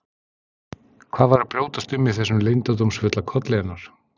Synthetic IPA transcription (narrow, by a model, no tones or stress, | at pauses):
kʰv̥aːðvaɾɪpɾjoːwt̪ast̪ʏmːɪðθɛsːʏmlejnt̪at̪omsfʏt̪lakʰɔt̪lɛjanːaɾ̥